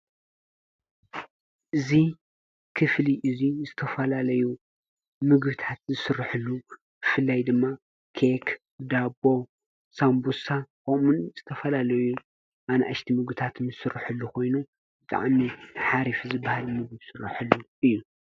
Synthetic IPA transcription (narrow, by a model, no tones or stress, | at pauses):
ʔɨzi | kʰɨfliʔɨzizɨt̪ʰɐfɐlalɐju | mɨɡbɨt̪ʰat̪zɨsɨɾːħɨlːu | b̥ɨfɨlːajd̪ɨmːa | kʰek | d̪abo̞ | sambusakomunz̥ɨt̪ʰɐfɐlalɐju | ʔanaʔaʃt̪ʰimɨɡbɨt̪ʰat̪ʰnzɨsɨrħɨlːuko̞jnu | bɨt̪ʼa̰ʕmiħaɾifzɨbːahalmɨɡɨbsɨrːa̰ħɨlːuʔɨjːu